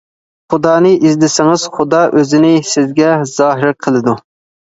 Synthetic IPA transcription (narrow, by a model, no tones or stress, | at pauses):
χʊd̪ɑːnɨʔizd̪ɪsɪŋɨz̥χʊd̪ɑʔøzɪnɪsɪzɡʲɛz̥ɑːɦɪɾqʰəlˠɨd̪u